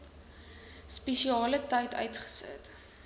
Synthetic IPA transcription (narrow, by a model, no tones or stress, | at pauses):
spɛʃiɑːlətɐjtʰœ̰ɥtχə̥sə̰t